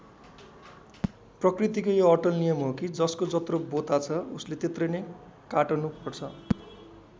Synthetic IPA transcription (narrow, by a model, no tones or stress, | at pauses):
prʌkrit̪ikojoʌʈʌlnijʌmɦokid͡zʌskod͡zʌt̪robot̪at͡sʰʌuslet̪et̪rʌjnʌ | kaʈʌnupʌrt͡sʰʌ